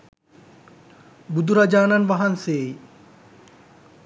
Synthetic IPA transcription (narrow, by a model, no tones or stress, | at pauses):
bud̪ʱuɾad͡ʒaːnanʋaɦanseːi